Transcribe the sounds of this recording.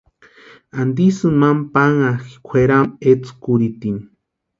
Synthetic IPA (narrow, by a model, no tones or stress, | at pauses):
and̪isɨmampaŋaxkʷʰeɾamet͡skuɾit̪in